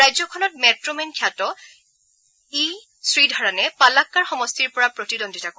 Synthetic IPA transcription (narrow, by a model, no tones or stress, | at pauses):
ajzɔkʰɔnɔt̚mɛtɹomenkʰjatɔ | i | sɹidʱaɹanɛpalakːaɹxɔmɔstiɹpɔɹapɹotidondʱitako